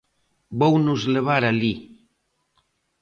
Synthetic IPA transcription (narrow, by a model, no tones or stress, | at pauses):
bownuzleβ̞aɾali